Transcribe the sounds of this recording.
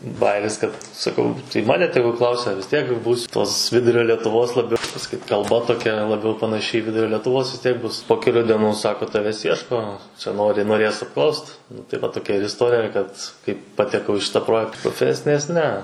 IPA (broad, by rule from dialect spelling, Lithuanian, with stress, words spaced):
ˈbɑːjɪrʲɪs kɐt sɐˈkɐʊ tɐɪ ˈmɑːnʲɛ ˈtʲæːɡʊ ˈklˠɐʊsʲɛ ʋʲɪs ˈtʲiɛk ˈbuːs toːs ˈʋʲɪdʊrʲoː lʲiɛtʊˈʋoːs lˠɐˈbʲɛʊ pɐsɐˈkʲiːt kɐlˠˈbɐ toːˈkʲɛ lˠɐˈbʲɛʊ pɐnɐˈʃʲɪ iː ˈʋʲɪdʊrʲoː lʲɛtʊˈʋoːs ʋʲɪs ˈtʲiɛk ˈbʊs poː kʲɛˈlʲuː dʲiɛˈnuː ˈsɑːkoː ˈtɑːʋʲɛs ˈjiɛʃkoː t͡ʃʲɛ ˈnoːrʲɪ noːˈrʲeːs ɐpˈklˠɐʊst nʊ tɐɪ ˈʋɐ toːˈkʲɛ ɪr ɪsˈtoːrʲɪjɛ kɐt kɐɪ pɐtʲɛˈkɐʊ ɪ ˈʃʲɪtɑː ˈproːjɛkt proːˈfʲæːsʲɪnʲeːs nʲɛ